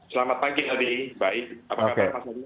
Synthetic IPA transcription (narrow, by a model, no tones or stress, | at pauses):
səlamat̪̚pakit̪adibaɪk̚apaokakamasaa